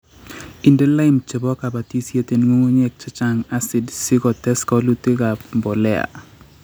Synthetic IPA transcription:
i˨nde˦la˦ɪ˦mt͡ʃe˨bɔ˦ka˨ba˨ti˦sje˦te˨nŋo˦ŋo˦ɲɛ˦k̚t͡ʃa˦t͡ʃa˨ŋa˦si˨dsi˦kɔ˨tɛ˦skɔ˦lu˦te˦ka˨mbɔ˨lɛ˦a̰˨

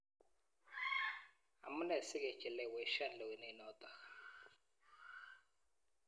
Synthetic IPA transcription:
a̰˨mu˦nɛ˨si˦kɛ˨t͡ʃʼɛ˨lɛ˨wɛ˨˦ʃa˦lɛ˨wi˨nɛ˨˦nɔː˦tʼa˨

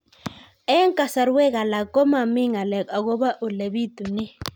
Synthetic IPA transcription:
ɛ˦ŋkʼa˨sa˨ɾwɛ˦k̬a˨la˨kʼɔ˦ma˨mi˦ŋa˨lɛ˨ka˨k̬ɔ˦ɓa˦ʔu˨le˨ɓi˦tu˨ni˦

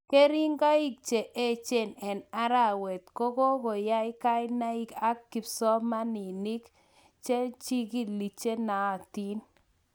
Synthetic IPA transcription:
ke˦ɾi˦ŋɡa˦i˦k̚t͡ʃe˨ʔe˦˨t͡ʃe˦˨nɛ˨na˦ɾa˦˨wɛ˨t̪ko˦ko˦ko˨ja˦ɪ˦ka˦ɪ˦na˦i˦ka˦kkːi˨psɔ˦ma˦ni˨ni˦k | t͡ʃe˦t͡ʃi˦ɡi˦li˨t͡ʃe˦na˨ti˦n

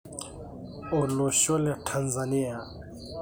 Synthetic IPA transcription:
ɔ˨lɔ˨ɕɔ˦la˨tʰanza˨ni˦a˨

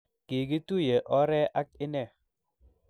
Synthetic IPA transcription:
ke˨ɡi˦tu˦je˨ʔɔ˦ɾɛ˦ʔa˦k̚ɪ˦nɛ˦˨

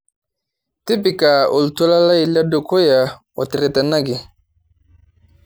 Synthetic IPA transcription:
ti˦pi˨ka˨o˨ltu˦la˦la˦i˨la˦do˨ko˦ja˨ | o˨ti˨ɾe˨tɛ˨na˦ɡi˨

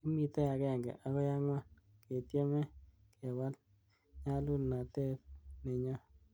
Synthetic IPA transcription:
ki˦mi˨t̪ɛ˦a˨kɛ˦˨ŋɡɛ̰˨ʔa˦kɔ˦ja˦ŋwa˦n | ke˨tje˦mɛ˦ | ke˨wa˦l | ɲa˦lu˦lna˨te˦tnɛ˨ɲɔ˦

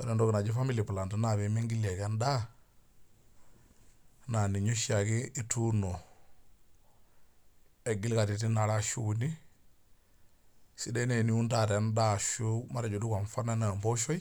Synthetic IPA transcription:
wa˨ɾe˨ndo˦ɡi˨na˨d͡ʒi˦fa˦mi˦li˨pu˨la˨ntu˦na˨βe˨˦mi˦ŋɡi˦li˨e˨ke˦nda˦ | na˨ni˨ɲo˦ʃa˨ki˦i˦tu˦no˨ | e˨ɡi˦lka˨ti˨ti˦na˨la˦ʃu˦ku˨ni˦ | si˨de˦ne˨ni˦wu˦nta˦˨ɾe˨˦nda˦˨ʃu˦ma˦ɾe˨d͡ʒu˨du˦ka˨nfa˦na˦na˨mbo˦ʃo˦j

